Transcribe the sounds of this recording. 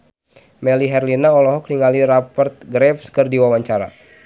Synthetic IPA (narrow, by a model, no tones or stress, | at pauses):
mɛliɦɛrlinaɔlɔɦɔk̚niŋaliɾapərt̪̚ɡɾɛfskərdiwawaɲt͡ʃaɾa̰